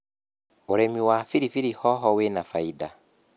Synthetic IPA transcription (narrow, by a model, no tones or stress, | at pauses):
oɾɛmiwafiɾifiɾihɔɦɔwenafaida